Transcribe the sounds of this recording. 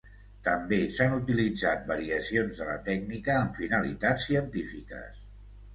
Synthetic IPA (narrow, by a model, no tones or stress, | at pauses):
t̪əmbesanut̪ilid͡zat̪̚bəɾiəsionzðələ̰t̪ɛɡnikəːɱfinəlḭt̪at͡sːiənt̪ifikə̰s